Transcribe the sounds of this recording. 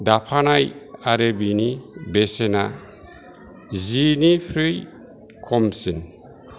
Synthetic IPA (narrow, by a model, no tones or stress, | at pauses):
dapʰanajaɾebinibesena | zinipʰɾij | kʰɔmsin